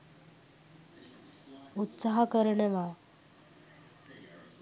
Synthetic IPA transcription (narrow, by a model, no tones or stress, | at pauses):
ut̪saɦakəɾəɳəʋa